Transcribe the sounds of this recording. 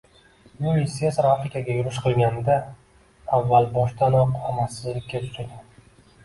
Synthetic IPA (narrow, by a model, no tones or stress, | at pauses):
juisesɾafɾɪkʲʰaɡʲajʊɾɪʃqʰɨlˠɡʲand̪a | avːalbɒʃt̪anɒqɒmasɪzlɪkʲːat̪ʰʊ̥ʃad̪ɪ